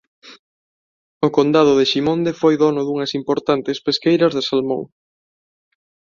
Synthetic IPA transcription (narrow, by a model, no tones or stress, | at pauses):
ʊkond̪að̞ʊðeʃimõnd̪efojðɔnʊðuŋɐsimpoɾt̪ant̪ɪspeskejɾɐzðɪsalmo̰ŋ